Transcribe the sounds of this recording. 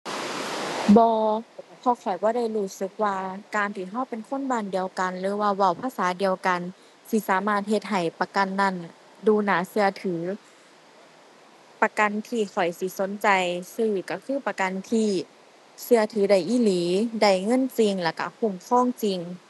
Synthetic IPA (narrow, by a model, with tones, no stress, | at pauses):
bɔː˧˩a˧˩pʰɔː˧˩kʰɔ˨˩jbɔː˧˦ɾa˧˥˩jɾuː˧˩sɯ˧˦k̚waː˧kaː˨˧nt̪ʰiː˧˩ɦɔ˧˥˩wpe˨nkʰo˧˥˨nbaː˧˩˨ndi˨əwka˨nlɯː˨˦waː˧wa˧˩wpʰaː˧˥˨saː˨˦di˨˧əwka˨n | si˧˦saː˨˦maː˧˩t̪̚ɦe˧t̪̚ɦa˨˩jpa˧ka˧˨nːa˧˥˨n | duː˧naː˨˦sɯ˧ɐt̪ʰɯː˩˦ | pa˧ka˨nt̪ʰiː˧˩kʰɔ˨˩jsi˧˦so˨˦nt͡ɕa˨jsɯː˧˩ka˧˩kʰɯː˧˥˨pa˧ka˧˨nt̪ʰiː˧˩ | sɯ˧ɐt̪ʰɯː˨˦da˧˩jʔiː˧˥˨liː˨˦da˧˩jŋɤ˧˥˨nt͡ɕi˧ŋlɛː˧˩ka̰˧˩pʰu˧˩mkʰɔː˧˨ŋt͡ɕi˧ŋ